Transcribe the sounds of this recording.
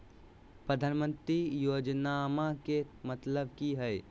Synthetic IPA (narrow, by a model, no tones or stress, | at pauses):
pɾəd̪ʱaːnmə̃nt̪ɾijoːd͡ʒnamakemət̪ləbkiɦɛj